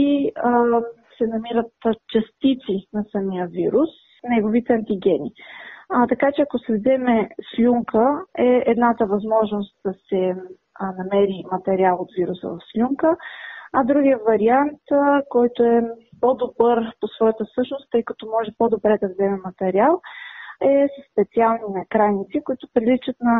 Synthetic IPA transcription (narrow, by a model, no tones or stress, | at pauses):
i | sɛnɐmiɾət̪t͡ʃɐst̪it̪sinɐsɐmijəviɾus | nɛɡovit̪ɛɐnt̪iɡɛnʲi | t̪ɐkat͡ʃɛɐkosɛvzɛmɛslʲuŋkəɛɛd̪nat̪əvɐzmɔʒnost̪̚d̪̥ɐsɛ | nɐmɛɾimɐt̪ɛɾialˠot̪viɾusə̰vɐfslʲuŋkəɐd̪ɾuɡijəvɐɾiant̪kɔjt̪oɛpod̪obɤɾposvɔjət̪əfsɤʃnost̪ːɤjkɐt̪ɔmɔʒɛpod̪obɾɛd̪ɐvzɛmɛmɐt̪ɛɾialˠɛsəsːpɛt̪sialˠninɐkɾajnit̪sikoit̪ʊpɾilit͡ʃət̪nɐ